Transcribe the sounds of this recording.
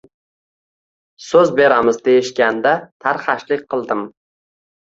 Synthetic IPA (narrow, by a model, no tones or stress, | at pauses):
sɵzbe̞ɾamɪzd̪ejɪʃkʲand̪at̪ʰaɾχaʃlɪk̚ʲqʰɨlˠd̪ɪm